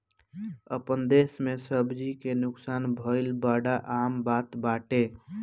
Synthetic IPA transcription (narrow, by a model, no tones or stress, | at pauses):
əpənd̪esmesəbd͡ʒikenʊksaːnbʱəɪlbaɖaʔaːmbaːt̪baːʈe